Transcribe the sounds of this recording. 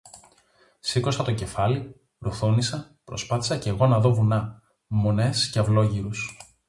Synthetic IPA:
siko̞sɐt̪o̞ce̞fɐli | ɾuθunisɐ | pɾo̞spɐθi̥sɐceɣo̞nɐðo̞vunɐ | mo̞ne̞sceɐvlo̞ʝiɾus

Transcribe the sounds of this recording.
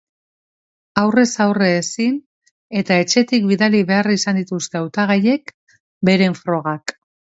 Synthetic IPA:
awre̞sawreːsin | e̞t̪ae̞t͡ʃe̞t̪ikbiðaliβe̞arisand̪it̪ust̪e̞awt̪aɣ̞aje̞k | be̞ɾe̞ɱfɾo̞ɣ̞ak

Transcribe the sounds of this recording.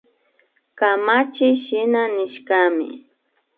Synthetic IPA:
kamat͡ʃɪʃɪnanɪʃkamɪ̰

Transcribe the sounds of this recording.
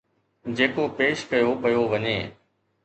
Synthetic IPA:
d͡ʑeːkopeːʃkɐjopɐjoʋɐɲeː

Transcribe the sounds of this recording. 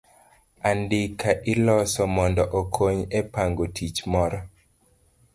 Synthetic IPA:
andɪkʰaʔɪlɔsɔmɔndɔʔokʰoɲɛpaŋɡotʰit͡ʃmɔɾɔ

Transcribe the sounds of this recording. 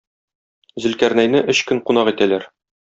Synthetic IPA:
zɘ̆lkæɾnæjnɘʔɵɕkɵŋqunɑqit̪ælæɾ

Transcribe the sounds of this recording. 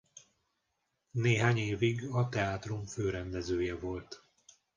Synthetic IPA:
neːɦaːɲeːviɡɒt̪ɛaːt̪ruɱføːɾɛnd̪ɛzøːjɛvo̞lt̪

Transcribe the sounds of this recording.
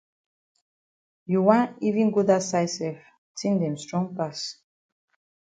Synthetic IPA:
juwãnivĩnɡudasajsɛf | tʰĩndɛ̃mstɹɔ̃ŋpas

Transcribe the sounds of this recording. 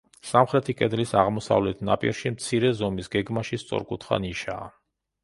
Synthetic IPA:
samχɾɛt̪ʰikʼɛd̪lisaʁmɔsa̰vlɛt̪ʰna̰pʼḭɾʃimt̪sʰiɾɛzɔmisɡɛɡmaʃist̪sʼɔ̰ɾkʼut̪ʰχa̰niʃa̰ː

